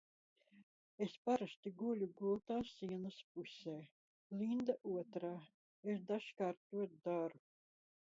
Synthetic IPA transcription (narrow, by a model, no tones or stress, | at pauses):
espaɾast̪iɡulʲuɡulˠt̪aːsiɛnaspusʲeː | lind̪aʔuɔt̪ɾaː | esd̪aʃkaːɾt̪ːuɔt̪̚d̪aɾu